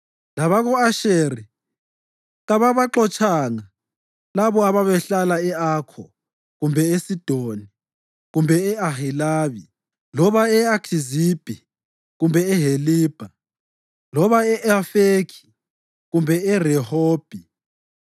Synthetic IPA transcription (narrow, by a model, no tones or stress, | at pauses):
laβaɣɔaʃeːri | ɣaβaβaǁɔt͡ʃʰʼaŋa | laβɔaβaβɛɬalaɛakʰɔ | ɣumbʱɛesid̥ʱoni | ɣumbʱɛɛahilaːβi | lɔβaɛakʰizib̥ʱi | ɣumbʱɛɛɦeliːb̥ʱa | lɔβaɛʔafekʰi̥ | ɣumbʱɛɛrɛhoːb̥ʱi